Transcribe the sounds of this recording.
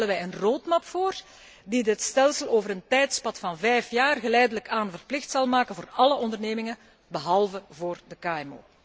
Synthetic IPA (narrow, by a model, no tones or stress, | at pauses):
ɛlənʋɛjənroːtmapfoːr | didɪtstɛlˠsəlˠoːvəɾəntɛjtspɑtfɑnvɛjfjaːrɣəlɛjdələkaːnvərplɪxtsɑlˠmaːkənvoːrɑləʔɔndərneːmɪŋə | bəɦɑlˠvəvoːrdəkaːɛmo̰ː